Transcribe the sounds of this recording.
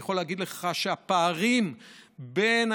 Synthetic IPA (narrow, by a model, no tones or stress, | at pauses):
χo̞leːɡid̪leχaʃeapaːʁimben